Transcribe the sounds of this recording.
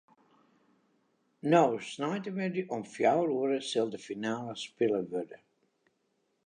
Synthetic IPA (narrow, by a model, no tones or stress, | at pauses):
nowsnajtəmɪdyʔɔmfjawruəɾəsɪlˠdəfinaːləspɪləʋødə